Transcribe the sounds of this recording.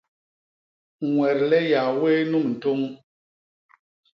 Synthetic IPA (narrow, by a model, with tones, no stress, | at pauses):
ŋwɛ˨ɾlɛ˦ja˨we˦nu˦˨mn̩˨to˦ŋ